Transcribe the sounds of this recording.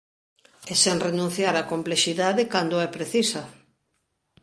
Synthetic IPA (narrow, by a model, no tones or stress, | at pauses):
ɛseŋrenũn̟θjaɾakompleʃiðaðɪkand̪oɛpɾeθisɐ